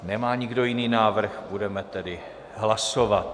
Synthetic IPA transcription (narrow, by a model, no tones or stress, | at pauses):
nɛmaːɲɪɡdo̞jɪniːnaːvr̩xbudɛmɛt̪ɛdɪ | ɦlasovat̪